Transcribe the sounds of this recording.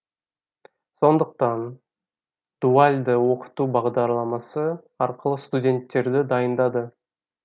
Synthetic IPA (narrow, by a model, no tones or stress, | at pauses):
so̞nd̪əq̚t̪ɑn | d̪̥ualʲd̪əwo̞qə̥t̪uːbɑʁd̪ɑɾlˠɑmɑsə | ɑɾqəlˠəst̪udʲe̞nt̪ːe̞ɾd̪ɪd̪ɑjənd̪ɑd̪ə